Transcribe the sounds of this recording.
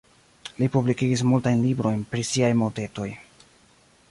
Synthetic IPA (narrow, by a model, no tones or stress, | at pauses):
lipublikiɡis̬multajnlibɾo̞jnpɾisiajmote̞to̞j